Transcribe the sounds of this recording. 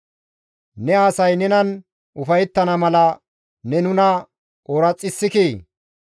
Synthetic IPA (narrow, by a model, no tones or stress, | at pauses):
nɛaːsɐjnɛnɐn | ʔʊfɐjɛt̪ːɐnɐmɐlɐ | nɛnʊnɐ | ʔoːɾɐt͡sʼːɪsːɪkiː